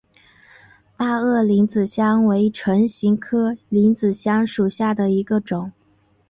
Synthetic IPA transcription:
t̪a˥˧ɤ˥˩li˧˥nt͡sɹ̩˨˩ɕjɑ˥ŋwe˧˥ɪʈ͡ʂʰə˧˥ŋɕi˧˥ŋkʰɤ˥li˧˥nt͡sɹ̩˨˩ɕjɑ˥ŋʂu˨˩ɕja˥˩d̪ə˩i˧˥ɡə˧ʈ͡ʂʊ˨˩˦ŋ

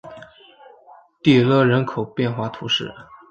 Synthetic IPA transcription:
t̪i˥˩lɤ˥˩ɻə˧˥nkʰo˨˩ʊpjɛ˥˧nxwa˥˩t̪ʰu˧˥ʂɻ̩˥˩

